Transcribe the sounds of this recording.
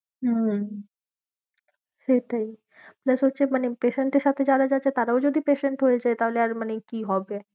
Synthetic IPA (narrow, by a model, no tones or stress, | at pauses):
ɦ | ʃeʈai | pləsɦoːt͡ɕʰemanepeʃeɳʈeʃat̪ʰed͡ʑaɾad͡ʑat͡ʃʰet̪aɾaod͡ʒod̪ʱipeʃeɳʈɦoed͡ʑaet̪aɦoleaɾmanekiɦɔbe